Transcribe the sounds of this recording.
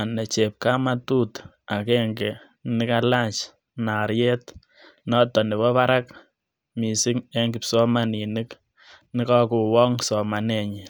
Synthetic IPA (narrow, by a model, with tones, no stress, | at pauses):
a˨ne˨t͡ʃe˨p̚ka˦ma˦tu˦t | a˨keŋɡe˨ | nɪ˦ka˦la˦t͡ʃ | na˨ɾje˦t | nɔ˦tɔ˨nɪ˨βɔ˦pa˦ɾa˦k | mi˨si˦ŋe˦ŋɡi˨psɔ˦ma˨ni˨nɨ˦k | nɪ˦kɔku˨wɔ˦ŋsɔ˨ma˨ne˨ɲi˨